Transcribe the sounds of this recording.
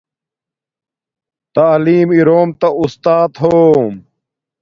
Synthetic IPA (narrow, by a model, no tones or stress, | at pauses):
t̪aːliːmiɾoːmt̪aust̪aːt̪ɦoːm